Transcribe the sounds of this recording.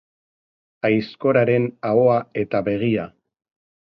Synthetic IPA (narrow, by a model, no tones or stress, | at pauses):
ajsko̞ɾaɾe̞nao̞ae̞t̪aβe̞ɣ̞ia